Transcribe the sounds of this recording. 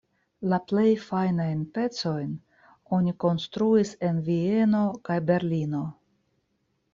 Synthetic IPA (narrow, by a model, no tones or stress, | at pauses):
laple̞jfajnajnpe̞t͡so̞jn | o̞niko̞nst̪ɾuise̞nvie̞no̞kajbe̞ɾlino̞